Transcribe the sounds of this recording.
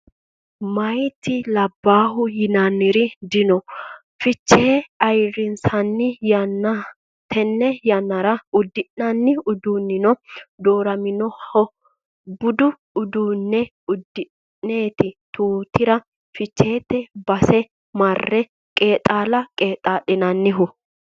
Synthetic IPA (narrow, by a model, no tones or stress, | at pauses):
mɐjt̪ɪlɐbːaːɦʊjɪnanːɪɾɪd̪ɪnɔ | fɪt͡ʃːe̞ːɐjɾɪnsɐnːɪjɐnːɐ | t̪ʰɛnːɛjɐnːɐɾɐʊd̪ːɪʔnɐnːɪʊd̪uːnːɪnɔd̪oːɾɐmɪnɔhɔ | bʊd̪ʊː | d̪uːnːɛ | ʊd̪ːɪ | neːt̪ɪt̪uːt̪ɪɾɐ | fɪt͡ʃːe̞ːt̪ːɛbɐsɛ | mɐrːɛ | kʼe̞ːt̪ʼaːlɐkʼe̞ːt̪ʼaːɗɪnɐnːɪɦʊ